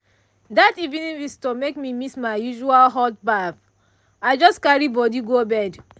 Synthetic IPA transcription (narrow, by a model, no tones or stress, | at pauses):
dativĩnĩvistɔmekmimismaɪjuʒualɦɔt̚baf | aɪd͡ʒɔskaɹibɔdiɡobɛd